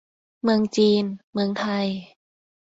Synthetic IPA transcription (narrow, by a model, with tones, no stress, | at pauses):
mɯ˧əŋt͡ɕiː˧nmɯ˧əŋt̪ʰa˧j